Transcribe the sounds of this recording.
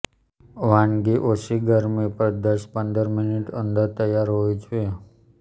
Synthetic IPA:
ʋanɡiʔosiɡəɾmipəɾd̪əɾʃpənd̪əɾmɪniʈə̰nd̪əɾt̪əjaɾɦoid͡ʒue

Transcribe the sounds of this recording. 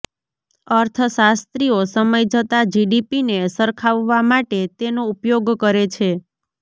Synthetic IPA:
əɾt̪ʰəsast̪ɾiosəməjd͡ʒət̪ad͡ʒiɖipinesəɾkʰaʋːamaʈet̪enoupjoɡkəɾet͡ʃʰe

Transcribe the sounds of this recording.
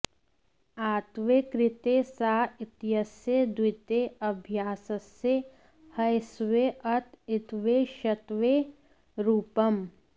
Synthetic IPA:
aːt̪ʋekɾɪt̪eːsaːɪt̪jəsjed̪wɪt̪eɐbʱjaːsɐsje | hɐjsʋeɐt̪ɪt̪ʋeʃɐt̪ʋeː | ɾuːpɐm

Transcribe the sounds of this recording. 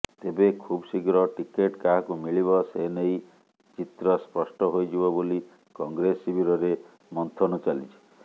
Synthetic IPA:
t̪ebekʰubsiɡɾɔʈikeʈkaɦkumiɭiβɔsenej | t͡ʃit̪ɾɔspɔsʈɔɦojd͡ʒibɔboli | kɔŋɡɾesibʱiɾɔɾe | mɔnt̪ʰɔnɔt͡ʃalit͡ʃʰe̥

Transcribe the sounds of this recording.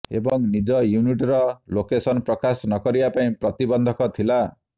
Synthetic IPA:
ḛbʌŋnid͡zʌjuniʈrʌlokesʌnprʌkasnʌkʌɾiapaĩprʌt̪ibʌnd̪ʱʌkʌt̪ʰila

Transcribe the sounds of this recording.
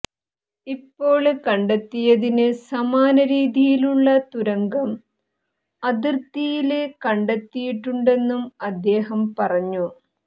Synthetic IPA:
ipːo̞ːɭkɐɳɖet̪ːijɐðinɨsɐmaːnɐɾiːðijiluɭːɐt̪uɾɐŋɡɐm | ɐd̪irt̪ijilekɐɳɖet̪ːijiʈːuɳɖe̞nːumɐd̪ːe̞ːɦɐmpɐrɐɲːu

